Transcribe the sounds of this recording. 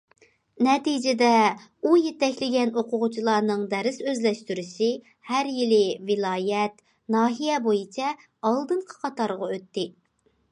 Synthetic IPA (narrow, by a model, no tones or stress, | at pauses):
nɛt̪id͡ʒɪd̪ɛ | ujet̪ɛkʲlɪɡʲɛnoqʰʊʁʊt͡ʃʰilˠɑːnɨŋd̪ɛɾɪsøzlɛʃt̪yɾyʃɪ | hæɾjilɪvɪlˠɑːjɛt̪ | nɑːɦijɛbojit͡ʃʰɛ | ɑlˠd̪ɨɴqʰə̥qʰɑt̪ɑɾʁɑøt̪ːɪ